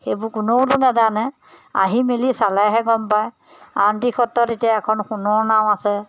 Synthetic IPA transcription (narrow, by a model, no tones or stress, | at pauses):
xebʊɹkʊnowtunɛzana | a̰ɦimilisalajɦɛɡɔmpaj | antixɔtːɔtetijaɛkʰɔnxunɔɹnawasɛ